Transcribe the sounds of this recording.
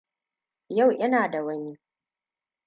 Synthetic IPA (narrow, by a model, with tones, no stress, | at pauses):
ja˦˨wʔɪ˦naː˨da˨wɐ˦ɲiː˦